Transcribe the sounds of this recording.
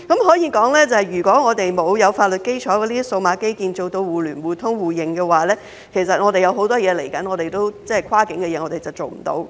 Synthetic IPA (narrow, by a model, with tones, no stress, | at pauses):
kɐ˨˥mɦɔː˨˥jiː˧kɔː˨˥ŋlɛː˥t͡sɐ˨hɐ˨˩jɥyː˨˩kʷɔː˨˥ŋɔː˨˧t̪e˨jmo˨˧wjɐ˨˧wfaː˧t̚lɵ˨t̚ke˥jt͡ʃʰɔː˨˥kɛ˧liː˥so˧wmaː˨˥ke˥jkiː˧nt͡so˨wt̪o˧wwuː˨lyː˨˩nwuː˨˩t̪ʰʊ˥ŋwuː˨˩jɪ˨˩ŋkɛː˧waː˨lɛː˥ | kʰe˨˩sɐ˨t̚ŋɔː˨˧ɾe˨jɐ˨˧wɦo˨˥wt̪ɔː˥jɛː˨˧le˨˩jkɐ˨˥nŋɔː˨˧t̪e˨˩jt̪o˥wt͡sɛ˥ɛ˨kʰwaː˥kɪ˨˥ŋkɛː˧jɛː˨˧ŋɔː˨˧t̪e˨jt͡sɐ˨wt͡so˨˩wm̩˨˩t̪o̰˨˧w